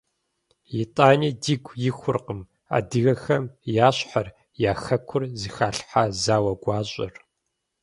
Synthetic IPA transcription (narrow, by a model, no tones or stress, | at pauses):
jɪtʼaːnidiɡʷʰjɪxʷʊrqəm | a̰ːdɨɣɐxɐmjaːɕħar | jaːxɐkʷʰʊrzixaːɬħazaːwɐɡʷɑːɕʼɪ̰r